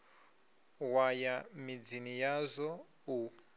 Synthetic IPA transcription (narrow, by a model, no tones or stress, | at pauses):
wajamid͡zinijazɔ | u